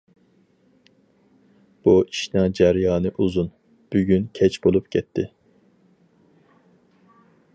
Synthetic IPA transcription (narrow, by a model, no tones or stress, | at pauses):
b̥uʔiʃnɑd͡ʒɛɾjɑːnɨʔuzun | b̥yɡʲynkʲʰɛt͡ʃbolˠupɡʲɛt̪ʰːɪ